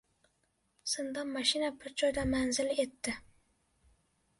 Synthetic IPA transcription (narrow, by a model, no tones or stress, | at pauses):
sɨnd̪ɑmɑʃɪnabɪɾd͡ʒɒjd̪amanzɪle̞t̪ːɪ